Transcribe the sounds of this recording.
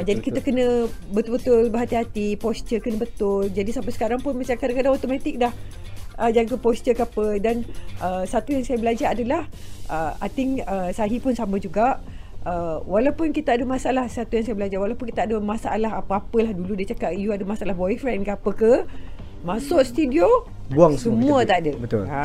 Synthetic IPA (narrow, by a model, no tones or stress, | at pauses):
d͡ʒadikit̪akənə̃bət̪ulbət̪ʊlbəɦat̪iɦat̪ipɔst͡ʃəkənə̃bət̪ʊld͡ʒadisampəsə̥kaɾaŋpʊnmat͡ʃaŋkadakadaŋot̪omat̪ɪk̚dah | ʔəd͡ʒaɡəpɔst̪əkapədanʔəsat̪ujaŋsajabəlad͡ʒaɾadalahʔəat̪ɪŋəsaɦipʊnsamə̃d͡ʒuɡaʔ | əwalawpʊnkit̪aadəmãsaalahsat̪ujaŋsajabəlad͡ʒawalawpʊnkit̪aadəmasaalaɦapəapəlahduludat͡ʃakaʔijuadəmasaʔalaɦbɔifɾɛnkapəkə | mãsʊʔst̪udio | buaŋsəmũat̪adəbət̪ʊ̰l